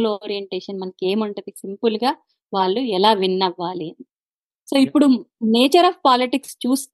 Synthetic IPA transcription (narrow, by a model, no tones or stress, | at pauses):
loːɾijeɳʈeːʂɐnmɐnɐkeːmɐɳʈud̪isimpulɡaː | ʋaːɭːuɛlaːʋinːɐʋːaːliɐni | so̞ːipːuɽuneːt͡ʃɐɾɐbpaːliʈikst͡ʃuːst̪